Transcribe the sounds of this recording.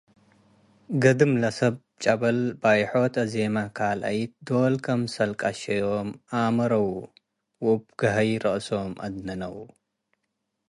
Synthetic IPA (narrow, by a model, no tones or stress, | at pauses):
ɡɐd̪ɨmlɐsɐb | t͡ʃʼɐbɐlbajħot̪ɐzemakʰalʔa̰jt̪̚d̪olkʰɐmsɐlkʼaʃɐjomʔamɐɾɐwu | wub̚ɡ̥ɐɦɐjɾɐʔsomʔɐ̰d̪nɐnɐwu